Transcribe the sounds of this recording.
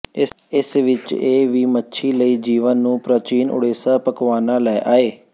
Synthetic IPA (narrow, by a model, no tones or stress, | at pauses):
ɪ | ɪsʋɪt͡ʃeːʋiːmətːʃʰiːləiːd͡ʒiːʋənːũːpɾət͡ʃiːnʔʊ̰ɽeːsaːpəkʋaːnãːlɛʔaːeː